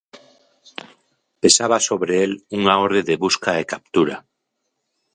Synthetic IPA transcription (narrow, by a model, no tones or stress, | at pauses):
pesaβasoβɾeeluŋaoɾðeðeβuskaekap̚t̪uɾa